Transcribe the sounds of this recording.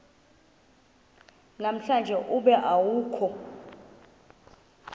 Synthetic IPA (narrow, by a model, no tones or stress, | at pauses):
nam̩ɬand͡ʒʱɛʔuɓɛʔawuːkʰɔ